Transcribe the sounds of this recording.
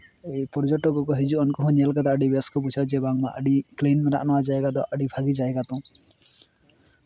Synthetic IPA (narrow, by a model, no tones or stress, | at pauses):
ejpɔɾd͡ʒɔʈɔkɔkɔɦid͡ʒuɔnkɔɦɔ̃ɲalkad̪aːɖibeskɔput͡ʃʰad͡ʒebaŋma̰ʔə̰ɖiklenmeɾaʔa̰nɔwad͡ʒaeɡad̪ɔʔəɖibʱaɡid͡ʒaeɡat̪ɔ̃